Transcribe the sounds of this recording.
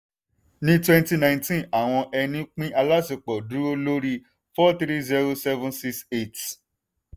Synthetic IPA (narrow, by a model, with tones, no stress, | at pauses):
nĩ˦twɛ̃˦nti˦nã˧˨ĩntĩ˦na˨w̃ɔ̃˧ʔɛ˧nĩ˦k͡pĩ˦ʔa˧la˦si˨k͡pɔ˨du˨˦o˧lo˦ɾi˧ | fɔ˦t̪ɾi˦zi˦ɾo˧sɛ˦vũ˦nsi˦˧kse˦˨t